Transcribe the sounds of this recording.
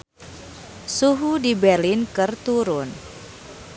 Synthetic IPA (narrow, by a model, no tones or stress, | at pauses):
suɦudibɛrlɪnkɨrt̪uɾʊn